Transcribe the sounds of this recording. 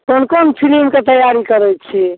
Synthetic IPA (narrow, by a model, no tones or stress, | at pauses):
konkonpʰilimket̪əjaɾikəɾɛjt̪t͡ʃʰi